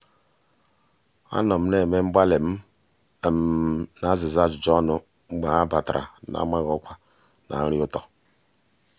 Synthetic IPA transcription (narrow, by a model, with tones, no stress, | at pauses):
a̰˦nɔ˨m̩˦ne˨me˦m̩˦ba˦le˨m̩˦˨ | m˨˦na˦zi˨za˦˨d͡ʒd͡ʒɔ˦nʊ˨ | ŋ͡m̩˦ɡ͡ba˨a˦ba˨tɾʔa̰˨na̰˨˦ma˦ɣɔ˨˦kʷʰa˦ | nʔa̰˨˦ɾi˦o˦tɔ˨